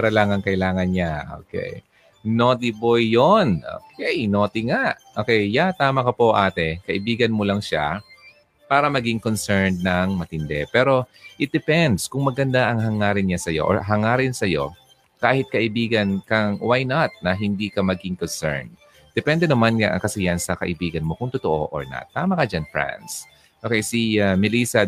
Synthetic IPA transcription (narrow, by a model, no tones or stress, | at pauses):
pɐɾɐlaːŋɐŋkɐʔɪlaːŋɐnɲaʔo̰ːkɛ̰j | nod̪ɪbojːonʔo̰kʰɛjnoːt̪ɪŋaʔʔoːkɛjːat̪aːmɐkɐpo̞ʔaːt̪ɛkɐʔɪbiːɡɐnmolɐŋʃa̰ | paːɾɐmɐɡɪŋkonsɛɹnd̪̚nɐŋmɐt̪ɪnd̪ɛ̰pɛːɾo̞ʔɪt̪̚d̪ɛpɛnd̪skʊŋmɐɡɐnd̪aʔɐŋɦɐŋaːɾɪnɲasɐjo̞̰ʔoɦɐŋaːɾɪnsɐjo̞ | kaːhɪt̪̚kɐʔɪbiːɡɐnkɐŋwajnat̪̚nɐɦɪnd̪iːkɐmɐɡɪŋkonsɛ̰ɹnd̪̚ | d̪̥ɛpɛnd̪ɛnɐmanŋaʔɐ̰kɐsɛjansɐkɐ̰ʔɪbiːɡɐnmo̞kʊŋt̪ot̪oʔo̞̰ʔo̰ɹna̰t̪ːaːmɐkɐd͡ʒanfɹa̰ns | ʔoːkɛjsiamɪliːsɐ